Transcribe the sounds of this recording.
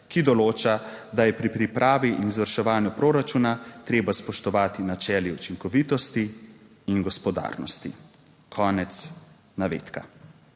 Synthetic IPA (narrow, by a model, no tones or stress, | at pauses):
kid̪ɔloːt͡ʃad̪ajɛpɾipɾipɾʔaːʋiʔinzʋəɾʃɛʋaːnjupɾoːɾat͡ʃuːnat̪ɾeːbaspɔʃt̪ɔʋaːt̪inat͡ʃɛːliut͡ʃiŋkɔʋit̪ɔst̪iː | nɡɔspɔd̪a̰ːɾnɔ̰st̪i | kʰɔːnɛt̪s | naʋḛːt̪ka̰